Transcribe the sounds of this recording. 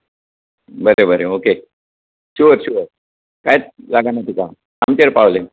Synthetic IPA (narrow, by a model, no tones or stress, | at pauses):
bəɾebəɾeoke | ɕuəɾɕuəɾ | kajt͡slaɡanat̪ika | amt͡ɕ̪eɾpaʋle